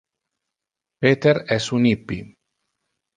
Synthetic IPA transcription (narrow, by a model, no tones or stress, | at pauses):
peːt̪eɾɛsunipːi